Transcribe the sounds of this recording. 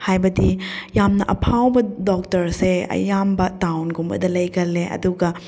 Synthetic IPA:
hajbɐdijamnɐʔɐpʰawbɐdɔk̚tɐɾseɐ̰jambɐtawnɡumbɐ̰dɐlɐjɡɐleʔɐ̰duɡɐ

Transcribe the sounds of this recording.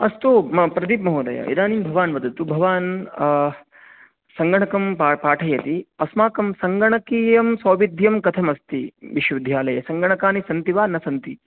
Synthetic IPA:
ɐst̪upɾɐd̪ip̚mɐɦuːd̪ɐ̰jɐ̰ḭd̪aːniːmbʱɐʋaːnʋɐd̪ɐt̪ubʱɐʋaːn | sɐŋɡɐɳɐkɐmpaːʈʰɐjɐt̪iɐsmaːkɐmsɐŋɡɐɳɐkiːjɐmsɐːʋid̪ʱjɐmkɐt̪ʰɐmɐst̪iʋiʃʋɐd̪ʱjaːlɐjɐsɐŋɡɐɳɐkaːnisɐnt̪iʋaːnɐsɐnt̪i

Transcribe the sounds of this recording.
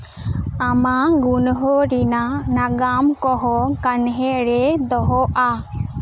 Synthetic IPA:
amaɡunɦɔɾinanaɡamkɔɦɔkanɦɛɾɛd̪ɔɦɔʔa

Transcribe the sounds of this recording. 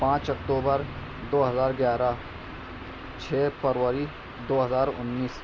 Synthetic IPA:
pãːt͡ʃɐk̚ʈ̪uːbəɾ | d̪oːɦɐzaːɾɡjaːɾa | t͡ʃʰeːpəɾʋwəɾi | d̪oːɦɐzaːɾʊ̰nːiːs

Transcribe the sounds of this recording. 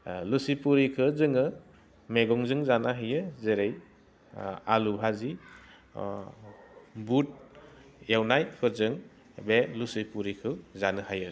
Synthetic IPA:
lusipuɾikʰɯzɯŋɯ | meɡɔŋzɯŋzanaɦɯjɯzeɾej | aluɦazi | but̚ | jawnajkʰɯzɯŋ | belusipuɾikʰɯzanɯhajɯ

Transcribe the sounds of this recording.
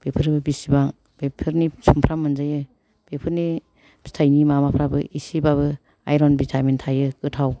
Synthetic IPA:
b̥epʰɯɾbɯbisibaŋ | b̥epʰɯɾnisumpʰɾamːɯnzajɯ | b̥epʰɯɾni | stʰajnimamapʰɾabɯʔisibaβɯ | ajɾɔnbitʰamentʰajɯkɯtʰaw

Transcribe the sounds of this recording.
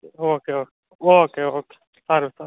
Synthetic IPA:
okeoke | oːkeoke̥ | t̪ɑrʋit̪ɑ

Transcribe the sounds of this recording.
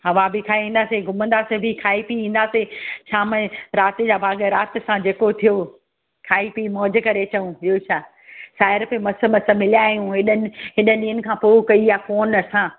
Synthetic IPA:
ɦɐʋabɪkʰaːiĩːn̆d̪aːseɡʱʊmə̃nd̪aːsebʱɪkʰaːipiĩːn̆d̪aːset͡ɕʰaːmɐ̃ɾaːt̪ɪd͡ʑaːbʱaːɠɾaːt̪ɪ̆sãd͡ʑeːkot̪ʰijo | kʰaːipimɔːd͡ʑkɐɾet͡ɕɐũijot͡ɕʰaː | saːɪɾpemɐsə̆mɐsə̆mɪlijaːɦijũɦɪɗənɪ̆ɦɪɗənĩːənɪ̆kʰãːpoːkɐiafoːnɐsã

